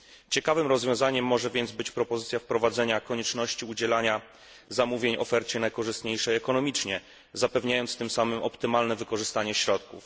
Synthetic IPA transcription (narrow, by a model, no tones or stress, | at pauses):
t͡ɕɛkavɘmɾɔzvʲjɔ̃w̃zaɲɛmːɔʐɛvʲjɛnd̪zbɘt͡ɕpɾɔpɔzɘt̪sʲjafpɾɔvad̪zɛɲakɔɲɛt͡ʂnɔɕt͡ɕiud͡ʑɛlaɲa | zamuvʲjeɲɔ̰fɛɾt͡ɕɛnajkɔʐɘst̪ɲejʂɛjɛkɔnɔmʲit͡ʂɲɛ | zapɛvɲajɔnt̪st̪ɘmsamɘmɔpt̪ɘmalnɛvɘkɔʐɘst̪aɲɛɕɾɔt̪kṵf